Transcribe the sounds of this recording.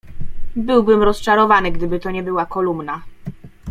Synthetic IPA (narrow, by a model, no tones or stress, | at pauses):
bɘwbɘmɾɔst͡ʂaɾɔvanɘɡd̪ɘbɘt̪ɔɲɛbɘwakɔlumna